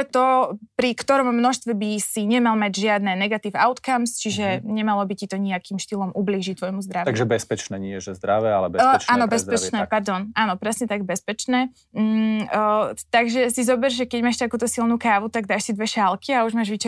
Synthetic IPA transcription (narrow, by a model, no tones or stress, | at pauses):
t̪ɔpɾikt̪ɔɾɔmːnɔʃst̪ʋɛbisiɲɛmalmaɟʒɪad̪nɛnɛɡat̪iːwaʊt̪kamst͡ʃiʒɛɲɛmalɔbicit̪ɔɲiakimʃt̪ilɔmʔubliːʒict̪ʋɔjmuzd̪ɾat̪aɡʒɛbɛspɛt͡ʃnɛːɲɪɛʒɛzd̪ɾaʋɛalɛbɛaːnɔbɛspɛt͡ʃnɛpaɾd̪ɔnʔaːnɔpɾɛsɲɛt̪aɡbɛspɛt͡ʃnɛː | t̪aɡʒɛsizɔbɛɾʒʒɛkɛɟmaːʃt̪akuːt̪ɔsilnukaːʋut̪aɡd̪aːʃsid̪ʋɛʃalkiauʒmaːʒʋit͡ʃɛ